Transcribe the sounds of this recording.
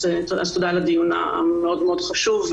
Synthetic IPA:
etazt̪od̪alad̪ijuna̰a̰meo̞d̪meo̞dχaʃuv

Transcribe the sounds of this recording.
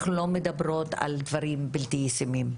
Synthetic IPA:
χlo̞med̪abɾot̪a̰ld̪vɐɾimbilt̪ijsimim

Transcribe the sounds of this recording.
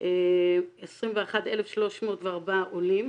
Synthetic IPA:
ʔeesʁimveaχad̪elefʃlo̞ʃmo̞ːtveaʁbaʔolim

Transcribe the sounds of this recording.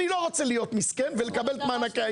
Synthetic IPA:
niloʁot͡selijo̞t̪miskenvelekabelt̪manaka

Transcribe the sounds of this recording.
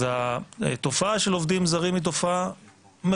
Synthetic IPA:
at̪o̞faaʃelo̞vd̪imzaʁimit̪̬o̞faa | me

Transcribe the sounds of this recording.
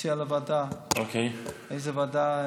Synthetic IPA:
ialavad̪aokejejzevad̪a

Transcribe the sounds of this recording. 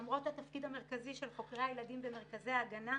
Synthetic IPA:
mʁo̞that̪afkidame̞ʁkaziʃelχo̞kʁeajeladimbeme̞ʁ̞kaze̞aːɡana

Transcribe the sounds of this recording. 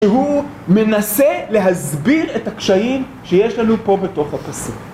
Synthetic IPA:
eɦu | me̞nasele̞ɦazbiʁetakʃajim | ʃejeʃlanupo̞be̞to̞χhapasuk

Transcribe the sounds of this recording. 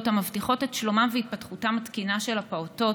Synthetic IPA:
tamavtiχo̞tetʃlo̞mamveit̚patχutamatkinaʃe̞lapaoto̞

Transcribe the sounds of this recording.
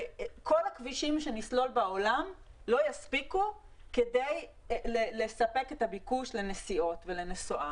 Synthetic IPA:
ko̞lakviʃimʃenislo̞lbao̞lamlo̞jaspiku | kede̞j | lele̞sape̞kethabikuʃlenesio̞tvele̞nesoʔa

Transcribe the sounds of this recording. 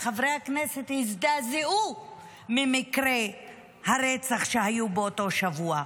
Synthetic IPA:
χavʁejhaknese̞t̪hizd̪azeu | mimikʁe | haɾet͡saχʃehajubeoto̞ʃavua

